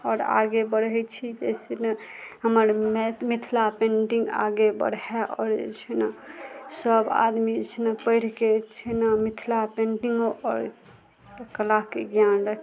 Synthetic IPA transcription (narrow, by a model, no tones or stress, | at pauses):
ɔːɾa̰ɡebəɽɦɛt͡ʃʰid͡ʒɛ̰seneɦəməɾmmit̪ʰlapẽɳʈiŋɡa̰ɡebə̰ɽɦɛʔɔ̰ːɾḛt͡ʃʰɛnasəba̰d̪mid͡ʒet͡ʃʰnapəɪɾ̤ket͡ʃʰənamit̪ʰlapẽɳʈiŋɡoʔɔɾ | kəlakeɡjanɾəkʰ